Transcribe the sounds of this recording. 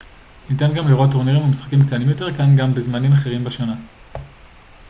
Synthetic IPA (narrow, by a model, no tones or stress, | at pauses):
nitanɡamliʁo̞tːoʁniʁimamisχḁkimktanimjo̞te̞ʁkanɡambezmanimaχe̞ʁimbeʃona